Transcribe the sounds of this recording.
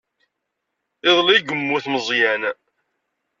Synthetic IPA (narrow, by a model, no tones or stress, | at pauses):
ɪðˤliɡəmːuθməzˤjæn